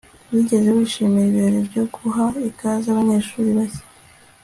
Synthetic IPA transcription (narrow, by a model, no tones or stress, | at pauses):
wiɟe̞zewiːʃiːmiɾiβiɾoɾebɟo̞ɡuɦaikazaβaɲe̞ːʃuːɾiβase̥